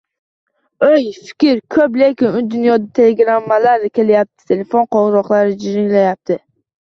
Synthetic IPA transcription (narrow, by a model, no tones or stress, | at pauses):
ojfɪ̥kʲɪɾkʰɵplekʲɪmʊd̪ʊnjɒd̪at̪ʰe̞leɡɾamːalaɾnɪkʲʰe̞lɪjap̚t̪ʰɪ̥t̪ʰe̞le̞fonqɒʁɾɒqlˠaɾɪd͡ʒɪɾɪŋlajap̚t̪ʰɪ